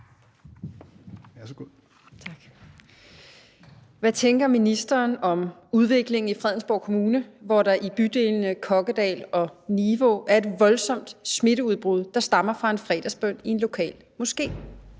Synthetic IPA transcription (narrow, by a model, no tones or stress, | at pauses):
æsɡ̥o | t͡sʰɑɡ̥ | ʋæt͡sʰeŋɡ̥ɐminisd̥ɐːnɒ̽muð̞ˠʋe̝ɡ̥le̝ŋ̩ifʁɛðˠn̩sb̥ɒʊ̰kʰo̝muːnəʋɒɾ̥ɑ̈ʔib̥yd̥e̝̰ːlnəkʰɒ̽ɡ̥əd̥ɛ̰ːlɒ̽niʋo̝ʔæɐe̝d̥ʋɒ̽lsɒ̽m̰d̥sme̝ɾəuð̞ˠb̥ʁuð̞ˠd̥ɑ̈sd̥ɑ̈mɐfʁɑ̈e̝nfʁɛ̰ːd̥ɐsb̥œn̰ie̝nlo̝kʰɛ̰ːl | mɔ̽sɡ̥e̝̰ː